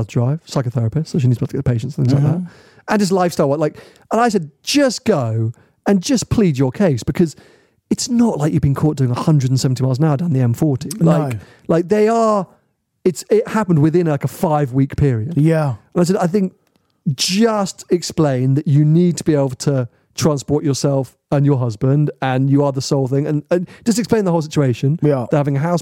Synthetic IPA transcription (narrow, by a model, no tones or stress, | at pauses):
zdɹaɪv̥saɪkəθɛɹəpɨstsoʊʃ̬inidzbʌlˠtə̥ɡɛ̰t̚ðəpʰeɪʃntsn̩θɪ̃ŋzlaɪk̚ðæt̚ | ə̃nðɪs̬laɪfstaɪlˠwəlaɪk | ə̃naɪsɛd̥̚d͡ʒ̥ʌsɡ̥oʊ | ɨ̃nd͡ʒʌspʰl̥id͡ʒə˞kʰeɪsb̥ɨkʰʌz | ɨtsnəʔlʔaɪkjɨvbɨ̃nkʰɔˑʔ̚d̥ʉɪ̃ŋəhʌ̃ndɹɨdn̩sɛvn̩tʰimaɪlˠznaʊdãʊ̃nðiɛ̃ɱfɔɹɾilaɪk | laɪk̚ðeɪə˞ | ɨtsɪt̚hapn̩d̚wɨðɪ̃nlaɪkəfaɪvwikpʰɪɹiɨd̥jæə̃naɪs̬ɛdɾaɪθɪ̃ŋk̚ | d̥ʒ̥ʌstɨksplẽɪ̃nðɨt͡ʃɨnid̚tʰəbieɪbl̩ˠtʰə | tʰɹ̥æ̃nspɔɹt͡ʃəsɛlˠf | ə̃njə˞ɦʌzbə̃ndə̃njəə˞ðəsoʊlˠθɪ̃ŋə̃nəd̥ʒ̥ʌstɨksplẽɪ̃nðhoʊlˠsɪt͡ʃueɪʃɨ̃njðəhavɪ̃ŋɨɦaʊs